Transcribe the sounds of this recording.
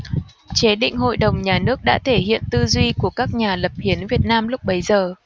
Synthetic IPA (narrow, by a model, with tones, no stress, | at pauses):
t͡ɕe˨˦ɗḭ̈˧˨ŋ̟ɦo̰˧˨jɗə˨˩wŋ͡mɲaː˨˩nɨ˦˥ək̚ɗa̰ː˧˥t̪ʰe˧˩hḭ˧˨ənt̪ɨ˧zwi˧ku˧˩əkaː˦˥k̚ɲaː˨˩lə˨˩p̚hi˨˦ənvi˨˩ət̚naː˧mlʊ˦˥k͡p̚ɓə˨˦jzəː˨˩